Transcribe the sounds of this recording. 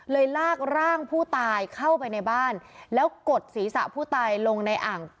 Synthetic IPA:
lɤː˧jlaː˥˩k̚ɾaː˥˩ŋpʰuː˥˩t̪aː˧jkʰa˥˩wpa˧jna˧jbaː˥˩nlɛː˦˥wko˨˩t̪̚siː˩˦sa̰˨˩ʔpʰuː˥˩t̪aː˧jlo˧ŋna˧jʔaː˨˩ŋ

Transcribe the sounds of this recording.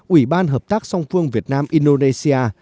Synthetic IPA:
ʔwi˧˩ɓaː˧nɦəː˨˩p̚t̪aː˦˥k̚sa˧wŋ͡mfɨ˧əŋvi˨˩ət̚naː˧mʔi˧nɗo˧ne˧si˧aː˧

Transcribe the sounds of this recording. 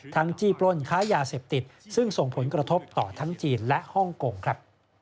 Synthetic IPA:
t̪ʰa˦˥ŋt͡ɕiː˧˩plo˧˥˩nkʰaː˦˥jaː˧seː˨˩p̚t̪i˨˩t̪̚sɯ˥˩ŋso˨˩ŋpʰo˩˦nkɾa˧t̪ʰo˦˥p̚t̪ɔː˨˩t̪ʰa˦˥ŋt͡ɕiː˧nlɛ˦˥ʔhɔ˥˩ŋkoː˧ŋkʰɾa˦˥p̚

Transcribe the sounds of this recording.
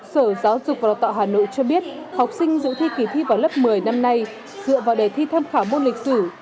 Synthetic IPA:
səː˧˩zaː˨˦wzʊ˨˩k͡p̚vaː˨˩t̪a̰ː˧˨ɦaː˨˩no̰˧˨jt͡ɕɔ˧ɓi˦˥ət̚ha˨˩wk͡p̚sï˧ŋ̟zɨ̰˧˨t̪ʰi˧ki˨˩t̪ʰi˧vaː˨˩wlə˦˥p̚mɨ˨˩əjna˧mna˧j | zɨ̰˧˨əvaː˨˩wɗə˨˩jt̪ʰi˧t̪ʰaː˧mxaː˧˩mo˧nli˨˩k̟̚sɨ˧˩

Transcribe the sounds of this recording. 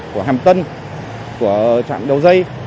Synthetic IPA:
ku˧˩əhaː˨˩mt̪ə˧n | ku˧˩ət͡ɕa̰ː˧˨nɗə˨˩wzə˧j

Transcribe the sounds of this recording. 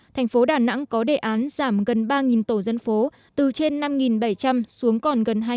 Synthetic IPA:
t̪ʰɛ˨˩ŋ̟fo˨˦ɗaː˧˩na̰˧˥ŋkɔ˨˦ɗe˧˩ʔaː˨˦nz̥aː˧˩mɣə˨˩nɓaː˧ŋi˨˩nt̪o˧˩zə˧nfo˨˦ | t̪ɨ˨˩t͡ɕe˧nːa˧mŋi˨˩nɓə˧˩jt͡ɕa˧msu˨˦əŋkɔ˨˩nɣə˨˩nɦ

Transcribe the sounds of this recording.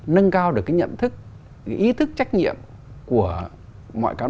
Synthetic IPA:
nə˧nkaː˧wɗɨ˨˩kːaː˨˦jɲə̰˧˨nt̪ʰɨ˦˥k̚ | ʔi˨˦t̪ʰɨ˦˥k̚t͡ɕa˦˥jk̟̚ɲḭ˧˨əm | ku˧˩ə | mɔ̰˧˨jkaː˨˦

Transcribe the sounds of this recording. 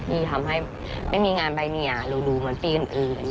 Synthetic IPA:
niː˧˩t̪ʰa˧mɦa˥˩j | ma˥˩jmiː˧ŋaː˧nba˧jni˧˩ɐa˨˩duː˧duː˧mɯ˨˩˦npiː˧ʔɯː˨˩nʔɯː˨˩nn

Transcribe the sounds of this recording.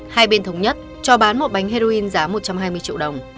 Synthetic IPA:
haː˧jɓe˧nt̪ʰə˨˦wŋ͡mɲə˦˥t̚ | t͡ɕɔ˧ɓaː˨˦nmo˨˩t̚ɓa˨˦jŋ̟ɦe˧zo˧ʔi˧nzaː˨˦mo˨˩t̚t͡ɕa˧mɦaː˧jmɨ˧ət͡ɕḭ˧˨wɗə˨˩wŋ͡m

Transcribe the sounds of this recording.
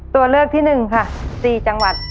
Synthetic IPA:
t̪u˧ɐlɤː˥˩k̚t̪ʰiː˥˩nɯ˨˩ŋkʰa˥˩siː˨˩t͡ɕa˧ŋwa˨˩t̪̚

